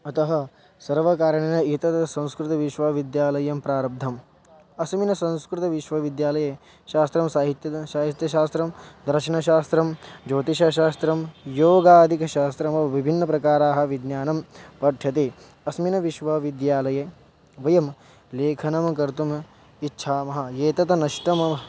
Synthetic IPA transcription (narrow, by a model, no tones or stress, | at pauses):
ɐt̪ɐɦɐ̆ | sɐɾʋɐkaːɾjɐɽ̃enɐit̪ɐt̪sɐ̃w̃skɾɪt̪ɐʋiʃʋɐʋid̪jaːlɐjɐmpɾaːɾɐb̚d̪ʱɐm | ɐsminɐsɐ̃w̃skɾɪt̪ɐʋiʃʋɐʋid̪jaːlɐje | ʃaːst̪ɾɐmsaːɦit̪jɐʃaːɦit̪jɐʃaːst̪ɾɐmd̪ɾɐɾʃɐɳɐʃaːst̪ɾɐmd͡ʒoːt̪iʃɐʃaːst̪ɾɐmjoːɡaːd̪ʱikɐʃaːst̪ɾɐmɐʋibʱinːɐpɾɐkaːɾaːɦɐ̆ʋid̪njaːnɐmpɐʈʰjɐt̪̬e | ɐsminɐʋiʃʋɐʋid̪jaːlɐje | ʋɐjɐm | leːkʰɐnɐmkɐɾt̪um | itːʃʰaːmɐɦɐ̆jeːt̪ɐt̪ɐnɐʃʈɐm